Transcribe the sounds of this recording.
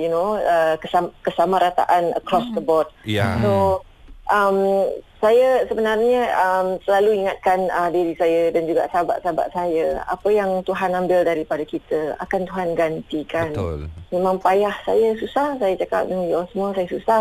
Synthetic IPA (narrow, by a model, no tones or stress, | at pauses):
junoəkəsakəsamãɾat̪a̰ʔanə̰kɾɔsd̪əbɔd̚ja̰so | ʔamsajəsəbənarɲəʔːmsəlaluiŋat̪̚kanədiɾisajədand͡ʒuɡa̰ʔsaba̰ʔsaba̰ʔsajəa̰pəjaŋt̪uɦanãmbɪldaɾipadakit̪əa̰kant̪uɦanɡant̪ikanlmemãŋpajahsajəsusahsajat͡ʃaka̰p̚dəŋiɔsmasajəsusah